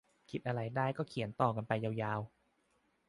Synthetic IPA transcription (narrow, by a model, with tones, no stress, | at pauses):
kʰi˨˦t̪̚ʔa˧ɾa˧jdaː˥˩jkɔː˥˩kʰi˩˦ənt̪ɔː˨˩k̬a˧npa˧jːaː˧wjaː˧w